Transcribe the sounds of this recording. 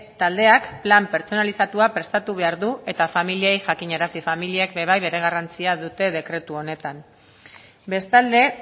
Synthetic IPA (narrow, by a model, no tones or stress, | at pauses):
t̪ald̪e̞akplampe̞ɾt͡so̞nalisat̪uapɾe̞st̪at̪uβe̞aɾðue̞t̪afamiliejʝakiɲeɾasifamiliekbe̞β̞ajβe̞ɾe̞ɣ̞arant͡siaðut̪e̞ð̞e̞kɾe̞t̪uo̞ne̞t̪am | be̞st̪ald̪e̞